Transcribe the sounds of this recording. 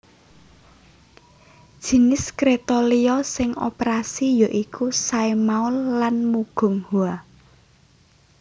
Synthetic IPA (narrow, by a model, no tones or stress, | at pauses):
d̥ʒ̥i̤nɪskɾet̪oliɔsɪŋo̰peɾasijɔʔikusaemaʊlːanmuɡ̥ɔ̤ŋhua